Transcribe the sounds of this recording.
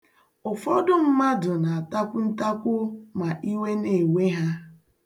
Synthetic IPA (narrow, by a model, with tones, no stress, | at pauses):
ʊ˨fɔ˦dʊ˦m̩˦ma˦dʊ˨na˨a˨ta˦kʷʊ˦n̩˦ta˦kʷʊ˦ma˨ʔi˦we˦ne˨we˦ɦa˦